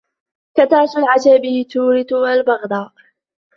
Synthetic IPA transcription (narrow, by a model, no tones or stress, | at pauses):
kat̪aːt̪ʊlʕad͡ʒabɪt̪uːɾɪt̪ʊwalbɑɣd̪ˤɑː